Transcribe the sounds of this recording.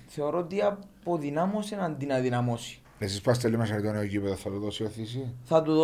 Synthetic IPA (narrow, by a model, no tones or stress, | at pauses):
θeoɾot̪iɐpoðinɐmosenɐnd̪inɐðinɐmosi̥ | nesispast̪elːimeʃɐɾit̪onioɟipeðɐθɐt̪uðosioθis̬iθɐt̪uðo